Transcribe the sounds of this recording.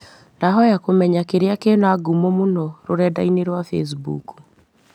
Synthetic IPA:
ndaɦɔjakomɛɲakeɾeakenaɡumɔmonɔɾoɾɛdaineɾwafḛs̬bṵku̥

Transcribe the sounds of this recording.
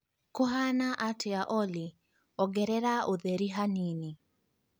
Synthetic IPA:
koɦanaʔatʰeaʔɔli | ɔɡɛɾɛɾaʔoðɛɾiɦanini

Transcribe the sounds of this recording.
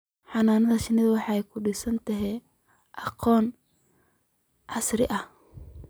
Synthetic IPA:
ħɑnaːnɐðɐʃɪnɪðɐwɑħɑːɛjkʰʊɖɪsɐnt̪ʰɐɦɛj | ʔɑqɔːn | ʕɑsrɪ̰ʔɐh

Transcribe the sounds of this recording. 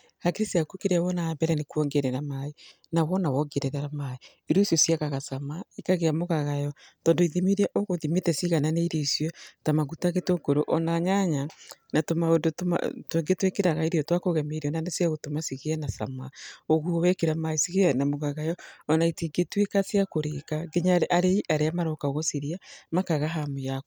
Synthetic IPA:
akeɾesiakokeɾeawɔnaːmbɛɾɛnekwɔŋɡeɾɛɾamae | nawɔnawɔŋɡeɾɛɾaɾamae | iɾusjɔsiaɣaɣasamaikaɣeamoɣaɣajɔtɔːndoiðimiɾɛʔoɣoðimetɛsiɣananeiɾesjɔtamaɣutaɣetoɡoɾoʔɔnaɲaɲanatomaondotoma̰tweŋɡetwekeɾaɣaiɾiɔtwakoɣɛmeɾiɔnanesiaɣotomasiɣeɛnasa̰maoɣuowɛkeɾamaesiɣeɛnamoɣaɣajɔɔnaitiŋɡetwekasiakoɾekaɡeɲaɾeʔaɾeiʔaɾeamaɾokaoɣosiɾiamakaɣaɦamujako̥

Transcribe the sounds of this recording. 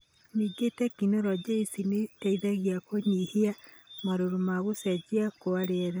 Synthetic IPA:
niːɡetɛkinoɾɔd͡ʒeisinetaiðaɣiakoɲihia | maɾoɾomaɣosɛd͡ʑiakoaɾeɛɾɛ

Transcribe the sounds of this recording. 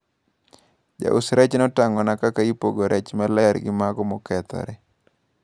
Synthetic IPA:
d͡ʒa̰ʔʊsɾɛt͡ʃnɔtaŋɔnakakaipoɡoɾʔɛt͡ʃmalaaɾɡɪmaɡɔmɔkɛt̪ɔ̰ɾɛ

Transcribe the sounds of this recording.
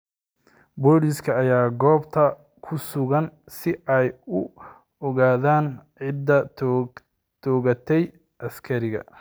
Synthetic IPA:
bɔlɪskʰɐːjaːɡɔːbt̪ʰɐ | kʰʊsʊɣɐn | sɪʔɛjʊ | ɔɣaːðaːnʕɪd̪ːɐ | t̪ʰɔːɣɐt̪ʰɛj | ɐskʰɐɾɪɣɐ̰

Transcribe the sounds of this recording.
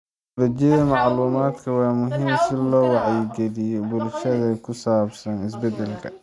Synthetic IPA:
ɾɐt͡ʃɛðɐmɑʕluːmaːd̪kʰɐwɑːmʊɦimsɪlɔːwɑʕjɪɡɛlɪjɔbʊlʃɐðɐkʰʊsaːbsɐnɪs̬bɛd̪ɛlkʰɐ

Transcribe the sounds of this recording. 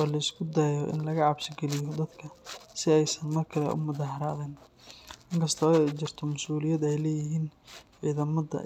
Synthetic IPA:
waːlɐɪskʰʊd̪aːjɔʔɪ̰nlɐɣɐʕɑbsɪɡɛlɪjɔd̪ɐd̪kʰɐsɪɛjsɐnmɐrkʰɐlɛ̰ʔʊ̰mʊðaːhɐɾaːðɛːn | ʔɪŋkʰɐst̪ʰɔɛjt͡ʃɪrt̪ʰɔmʊsuːlɪjɐd̪ɛjlɛːjɪɦiːnʕiːðɐmɐðɐ̰

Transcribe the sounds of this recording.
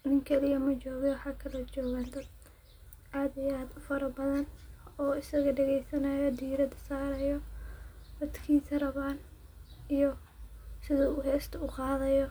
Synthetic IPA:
ʔɪŋkʰɛlɪjɐmɐt͡ʃɔːɣɛwʊħɑːkʰɐlɔt͡ʃɔːɣand̪ɐd | ʔaːd̪ɪjaːd̪ʊfɐɾɐbɐðɐnɔːɪsɐɣɐɖɛɣɛjsɐnɐjɔd̪iːɾɐd̪ɐsaːɾɐjɔ | d̪ɐd̪kʰiːsɐrɐβaːn | ijɔ | sɪðɐʊɦɛːst̪ʰɐʊqɑːðɐjɔ

